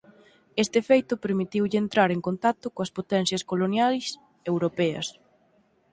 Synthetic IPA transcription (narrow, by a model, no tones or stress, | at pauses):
est̪ɪefejt̪ʊpeɾmit̪iwʎɪent̪ɾaɾeŋkont̪at̪ʊkoɐspot̪ɛnθjɐskolonjajs | ewɾopɛɐ̰s